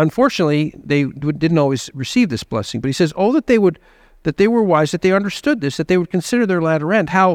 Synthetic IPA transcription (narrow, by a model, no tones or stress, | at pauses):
ə̃ɱfɔɹt͡ʃɨnətˡliðeɪdɪdⁿn̩tɔlˠwizɹɨsivðɪsb̥lɛ̰sɪ̃ŋbʌt̚hisɛzoʊðət̪̚ðeɪwəd̪̚ | ðɨt̪̚ðeɪwə˞waɪzðɨt̪̚ðeɪʌ̃ndə˞stʊd̪̚ðɪsðɨt̪̚ðeɪwɨd̚kʰɨ̃nsɪɾə˞ðə˞læɾə˞ɛ̃nd̚haʊ